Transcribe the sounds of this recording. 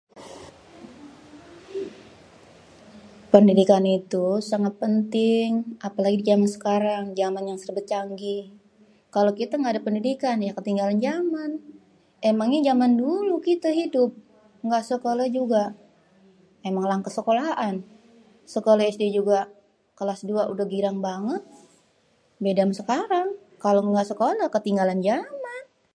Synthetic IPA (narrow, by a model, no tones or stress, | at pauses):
pəndidikanit̪usaŋat̪̚pənt̪ɪŋʔapalaɡidid͡ʒamansə̥kaɾaŋd͡ʒamanjaŋsərbət̪̚t͡ʃaŋɡi | kalokit̪aŋɡadapəndidikanjakət̪iŋɡaland͡ʒaman | emaŋɲad͡ʒamandulukit̪aɦidʊp̚ | ŋɡaʔsəkolad͡ʒuɡa | emaŋlaŋkəsəkolaʔan | səkolaɛsded͡ʒuɡa | kəlasduaʔudahɡiɾaŋbaŋət̪̚ | bedamsəkaɾaŋ | kaloŋɡaʔsəkolakət̪iŋɡaland͡ʒaman